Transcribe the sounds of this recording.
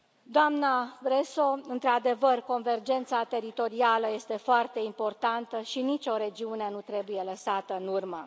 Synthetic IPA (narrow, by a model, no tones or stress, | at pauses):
d̪oamnabɾeso̞ɨnt̪ɾad̪e̞vərko̞nve̞rd͡ʒe̞nt̪sat̪e̞ɾit̪o̞ɾialəje̞st̪e̞foart̪e̞impo̞rt̪ant̪əʃinit͡ʃʲo̞ɾe̞d͡ʒiune̞nut̪ɾe̞buje̞ləsat̪əɨnurmə